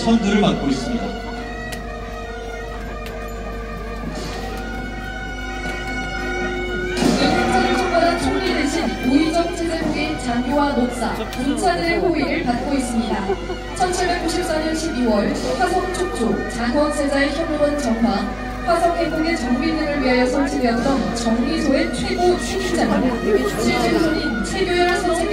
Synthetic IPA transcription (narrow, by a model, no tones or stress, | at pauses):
sʰʌŋdɯɾɯɭpat̚k͈ois͈ɯmɲida | ekʰant͡ɕʰadɯɭt͡ɕʰoŋbadat͡ɕʰoŋɡideɕʰinuid͡ʑʌŋt͡ɕʰed͡ʑebuɡet͡ɕaŋɡowamok̚s͈a̰ | kunt͡ɕʰadɯɾeɸoiɾɯɭpat̚k͈ois͈ɯmɲida | t͡ɕʰʌnt͡ɕʰiɭbe̞k͈̚uɕʰip̚s͈aɲʌnɕʰibiwʌɭɸwasʰʌŋt͡ɕʰok̚t͡ɕ͈ot͡ɕaŋwʌsʰed͡ʑaeçjʌmuɾʌnt͡ɕʌŋma | ɸwasʰʌŋʰeɡuŋet͡ɕʌŋbinːɯŋɯɭɥiɦajʌsʰʌnt͡ɕʰiɡejʌt͈ʌnt͡ɕʌŋːisʰoet͡ɕʰweɡot͡ɕʰeɡind͡ʑadt͡ɕʰit͡ɕʰesʰoɲi | t͡ɕʰweɡjojʌsʰʌnt͡ɕʰe